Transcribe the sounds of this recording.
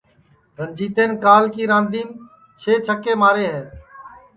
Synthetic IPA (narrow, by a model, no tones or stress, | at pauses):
ɾənd͡ʒiːt̪eːnkaːlkiːɾãːnd̪iːn | t͡ʃʰeːt͡ʃʰəkːeːmaːɾeːɦɛː